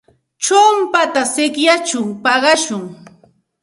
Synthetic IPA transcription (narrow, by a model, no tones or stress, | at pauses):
t͡ʃompat̪asɪkjat͡ʃʊŋpɑɢɑʃʊŋ